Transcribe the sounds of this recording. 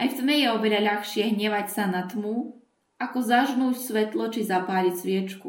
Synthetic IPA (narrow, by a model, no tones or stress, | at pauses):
ʔajft̪mɛjɛɔʋɛʎaʎaxʃɪɛɦɲɛʋacsanat̪mu | akɔzaʒnuːcsʋɛt̪lɔt͡ʃizapaːʎisʋɪɛt͡ʃku